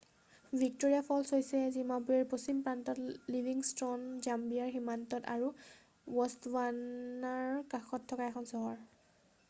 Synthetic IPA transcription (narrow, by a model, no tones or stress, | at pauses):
vʱik̚toɹijapʰɔlsojsɛzimapujɛɹposimpɹantɔtlibʱiŋstɹɔnzambiaɹximantɔta̰ɹu | wɔstwanaɹkaxɔtʰːɔkaɛxʰɔnsɔɦɔɹ